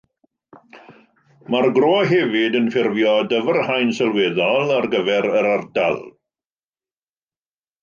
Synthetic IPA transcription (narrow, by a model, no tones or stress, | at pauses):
marɡroːɦɛvɪdənfɪrvjɔdəvərhajnsɛlˠwɛðɔlˠarɡəvɛɾəɾarda̰lˠ